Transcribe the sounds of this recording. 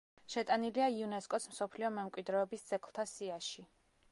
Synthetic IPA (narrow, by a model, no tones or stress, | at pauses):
ʃɛt̪ʼaniliaiunɛskʼɔsm̩sɔpʰliɔmɛmkʼwid̪ɾɛɔbisd̪z̥ɛkʰlˠt̪ʰasiaʃi